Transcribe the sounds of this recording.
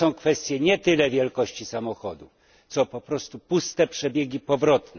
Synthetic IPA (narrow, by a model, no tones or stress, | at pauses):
ɔ̃w̃kfɛst̪ʲjɛɲɛt̪ɘlɛvʲjɛlkɔɕt͡ɕisamɔxɔd̪uf | t̪sɔpɔpɾɔst̪upust̪ɛpʂɛbʲjeɡʲipɔvɾɔt̪nɛ